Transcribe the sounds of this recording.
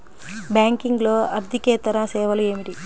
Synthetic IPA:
baːŋkiŋɡloːɐɾd̪ʱikeːt̪ɐɾasɛːʋɐlueːmiʈi

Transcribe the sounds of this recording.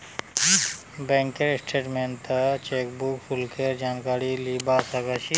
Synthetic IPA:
bɛ̃ːŋkeɾsʈʰeːʈmẽnt̪ət͡ʃeːkbukfulkʰeɾd͡ʒaːnkaːɾiliːbaːsakɐʃi

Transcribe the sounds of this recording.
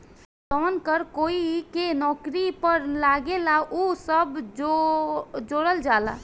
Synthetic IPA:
t̪ɔnkəɾkoikenɔkɾipəɾlaɡelaʔusəbo | d͡ʒoɽəld͡ʒala̰

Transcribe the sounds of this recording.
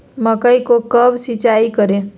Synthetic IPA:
məkəjkokəbsit͡ʃaikəɾẽ

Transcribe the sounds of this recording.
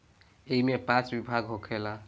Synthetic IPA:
ejmepãt͡sbibʱaɡɦokʰela

